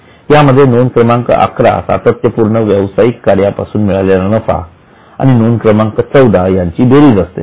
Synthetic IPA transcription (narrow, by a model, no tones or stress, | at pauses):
jaməd̪ʱːjenonkɾəmãŋkə̰ʔa̰kʰɾa̰sa̰t̪ət̪jəpuɾɳəʋjəʋsajikːaɾjapa̰suːnmiɭaljalanəfa̰ | a̰ñinonkɾəmãŋkət͡səwd̪ʱajaɲt͡ɕiːbeɾiːd͡zəst̪ḛ